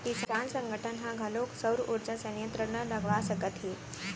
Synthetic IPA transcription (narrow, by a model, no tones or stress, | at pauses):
isansəŋɡʱəʈʰənɦãɡʱəloksəwɾʔuɾd͡ʑəsənjənt̪ɾənələɡʋasəkət̪ɦiː